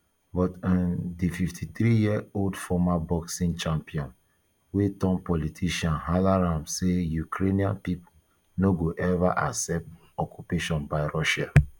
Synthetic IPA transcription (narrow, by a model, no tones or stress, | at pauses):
bɔtãndififtʰit̪ɹijiɛoldfɔmabɔksĩnt͡ʃãmpiɔ̃n | wetɔ̃npɔlitʰiʃãnɦalaɹãmsejukʰɹeniãnpipo | noɡoʔɛvaʔaksɛp̚t | ɔkupeʃɔ̃nbaɪɹɔʃa